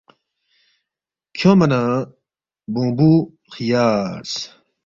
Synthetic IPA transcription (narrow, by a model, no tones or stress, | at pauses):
kʰõmɐnã | bũːbu | xijaːɾs